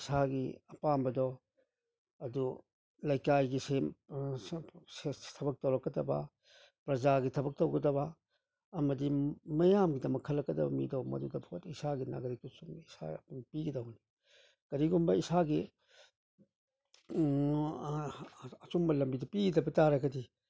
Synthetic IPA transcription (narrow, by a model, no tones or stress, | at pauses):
isaɡiɐpambɐdo | ɐdu | lɐjkajɡise | setʰɐbɐk̚tɐwɾɐkːɐdɐbɐ̰ | pɾɐd͡ʒaɡitʰɐbɐk̚tɐwɡɐdɐβɐː | mɐdimɐjamɡidɐmɐkʰːɐlːɐkːɐdɐbɐ̰mḭdomɐ̰dudɐpʰotisaɡina̰ɡɐɾikisumisa̰ɐpmpiɡidɐwni | kɐɾiɡumbɐisaɡi | ɐsumbɐlɐmbidɐpiɡidɐbɐtaɾɐɡɐdi